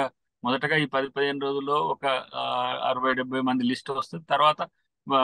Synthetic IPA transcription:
a | mɔd̪ɐʈɐɡaːiːpɐd̪ipɐd̪iɦe̞ːnuɾo̞ːd͡ʒulːo̞ːɔkɐ | ɐ̰ɾɐʋɐjɖɛbʱːɐjmɐnd̪ilisʈɐst̪und̪it̪ɐɾuʋaːt̪ɐ

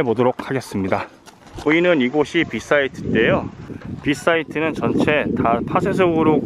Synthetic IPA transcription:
ebodoɾok̚ʰhaɡe̞s͈ɯmɲida | uinɯniɡoɕʰipis͈ʰaitʰɯ̥t͈e̞jopis͈ʰaitʰɯnɯnt͡ɕʌnt͡ɕʰe̞tapʰasʰes̬ʰʌɡɯɾo

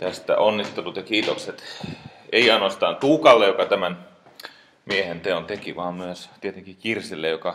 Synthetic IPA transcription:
t̪æst̪æ̰onːit̪ːelut̪jɑkiːt̪okset̪ | eiɑinoɑst̪ɑːnt̪uːkɑlːejokɑt̪æmæn | miehent̪eont̪ekiʋɑːmmyøst̪iet̪eŋkikirsilːejokɑ

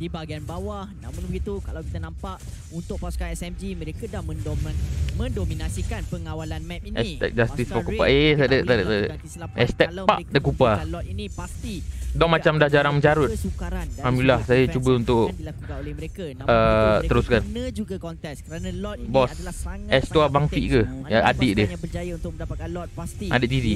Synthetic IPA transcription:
dibaɡianbawahnamunbəɡit̪ukalawkit̪anampaʔ | unt̪ʊk̚paskanɛsɛmd͡ʒimə̃ɾekadahmə̃ndomə̃ndominasikanpəŋawalanmɛp̚iɛist̪ɛ̰k̚d͡ʒast̪isfɔkupa̰et̪adət̪adət̪adəʔ | ɛst̪ɛpa̰ʔdəkupalɔt̪inipast̪idɔmat͡ʃamdahd͡ʒaɾaŋməɲd͡ʒaɾʊt̪aamilahsajat͡ʃubəunt̪ʊʔ | ʔət̪əɾʊskannd͡ʒuɡakɔnɛkəanbɔsɛst̪uabaŋfḭʔkəaʔadɪʔdəəd͡ʒajant̪̚asʔa̰dɪtʔdiɾi

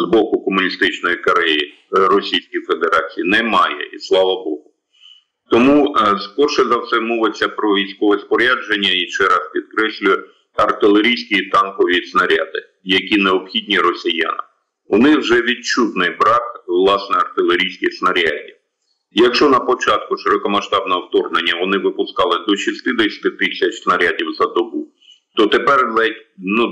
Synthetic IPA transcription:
zbɔkʊkɔmʊnʲist̪ɪt͡ʃnɔjikɐɾɛji | rɔsʲijsʲkʲijfe̞d̪eɾɑt͡sʲijinɛmɑjɛ̰islˠɑʋɐbɔɦʊ | t̪ɔmuspɔrʃɛzɐwsɛmɔʋɪt͡sʲːɐpɾɔʋʲijsʲkɔʋɛspɔɾʲad͡ʒenʲːɐiʃt͡ʃɛɾɑspʲid̪̚kɾɛsʲlʲʊj | ɐrt̪ɪlˠeɾʲijsʲkʲit̪ɑnkɔʋʲisnɐɾʲa̰d̪ɪ | jɐkʲineɔbxʲidʲnʲiɾɔsʲija̰nɪ | ʊnɪxwʒɛʋʲid̚t͡ʃut̪nɪjbɾɑkwlˠɑsnɛɐrt̪ɪlˠeɾʲijsʲkʲɪsnɐɾʲadʲiw | jɐkʃɔnɐpɔt͡ʃɑt̪̚kʊʃeɾɔkɔmɐʃt̪ɑbnɛɔwt̪ɔrnenʲːɐʋɔnɪʋɪpʊskɑlˠɪd̪ɔʃist̪ɪd̪ɛsʲɐ̥t̪ɪt̪ɪsʲɐt͡ʃsnɐɾʲadʲiwzɐd̪ɔbu | t̪ɔt̪epɛrɛtʲnu

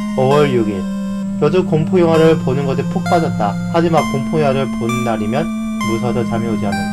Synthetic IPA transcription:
ʌwʌɭjuɡi | kjʌdukompʰojoŋaɾɯɭponɯnɡʌsʰipʰok̚p͈ad͡ʑʌt̚t͈a | had͡ʑimankompʰojoaɾɯɭponɯnːaɾimjʌn | musʰadʌt͡ɕamjioɡianaa

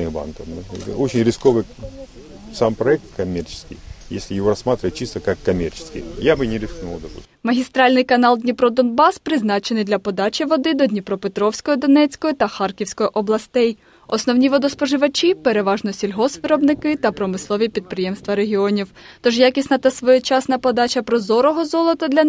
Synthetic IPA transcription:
ɨba̰nkɐfmɨɛt̪ot͡ɕɪnʲɾʲɪskoʋɨ | sampɾɐɛk̚t̪̚kɐmʲert͡ʃɪ̥skʲɪ̰jjḛsʲlʲɪjɪʋɔɾɐsmat̪ɾʲɪʋət̪̚ʲt͡ʃist̪əkɐkːɐmʲert͡ʃɪ̥skʲɪ̰jjabɨnʲɪɾʲɪsknulˠd̪ɐpṵ | mɐɦʲist̪ɾɑlʲnɪjkɐnɑlˠd̪ʲnʲipɾɔd̪ɔnbɑspɾɪznɑt͡ʃenɪjd̪lʲɐpɔd̪ɑt͡ʃʲɪʋɔd̪ɪd̪ɔd̪ʲnʲipɾɔpet̪ɾɔwsʲkɔjɔd̪ɔnɛt͡sʲkɔjɔt̪ɐxɑrkʲiwsʲkɔjɔʔɔblˠɐst̪ɛj | ɔsnɔwnʲiʋɔd̪ɔspɔʒɪʋɐt͡ʃʲipeɾeʋɑʒnɔsʲilʲɦɔsʋɪɾɔbnɪkɪt̪ɐpɾɔmɪslˠɔʋʲipʲid̪̚pɾɪjemst̪ʋɐɾeɦʲiɔnʲiw | t̪ɔʒjakʲisʲnɐt̪ɐsʋɔjɔt͡ʃasnɐpɔd̪ɑt͡ʃʲɐpɾɔzɔɾɔɦɔzɔlˠɔt̪ɔd̪lʲɐ

